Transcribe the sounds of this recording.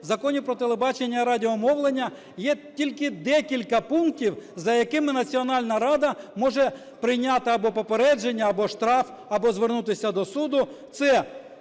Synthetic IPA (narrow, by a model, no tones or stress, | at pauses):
zɐkɔnʲipɾɔt̪elˠebɑt͡ʃenʲːɐɾɑdʲɪɔmɔʋlˠenʲːɐ | jɛtʲilʲkɪd̪ɛkʲilʲkɐpunk̚tʲiwzɐjɐkɪmɪnɐt͡sʲiɔnɑlʲnɐɾɑd̪ɐmɔʒɛ | pɾɪjnʲɑt̪ɪɐbɔpɔpeɾɛd͡ʒenʲːɐːbɔʃt̪ɾɑf | ɐbɔzʋernut̪ɪsʲɐd̪ɔsud̪ʊt̪sɛ